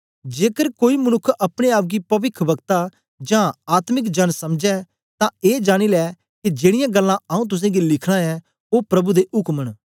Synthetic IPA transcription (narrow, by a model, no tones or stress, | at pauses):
d͡ʒeːkəɾkoːimənʊkʰːɐpɽ̃eaːp̬̚ɡipɐʋɪkʰʋɐɡt̪a | d͡ʒãːaːt̪mɪkd͡ʒɐnsɐmd͡ʒɛ | t̪ãeːd͡ʒaːɽ̃ilɛː | kid͡ʒeːɽ̃ɪjãɡəlːãɐũt̪̬ʊs̬ẽːɡilɪkʰɽ̃ãɛː | oːpɾɐbud̪eʔʊkməɽ